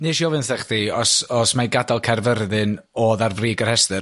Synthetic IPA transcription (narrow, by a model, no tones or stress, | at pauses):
nɨːʃiɔvɨnθɛχdiɔsɔsmajɡadalˠkʰɛrvərðɨn | ɔːðarvriːɡərhɛstɨr